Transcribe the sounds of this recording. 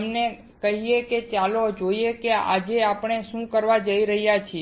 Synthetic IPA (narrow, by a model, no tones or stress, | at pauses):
mne | kəɦijeket͡ʃalod͡ʒoijekea̰d͡ʒeapɳ̃eʃũkəɾʋad͡ʒəiɾəɦjat͡ʃʰie